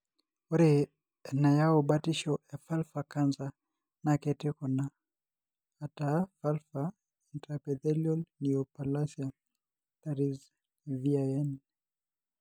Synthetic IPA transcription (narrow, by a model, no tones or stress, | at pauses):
ɔɾɛ | najaɔɓatiʃɔafalfakanza | nakɛtɛkɔna | tafalfa | intɾapɛðɛliɔlniɔpalasja | taɾiz | viaɛn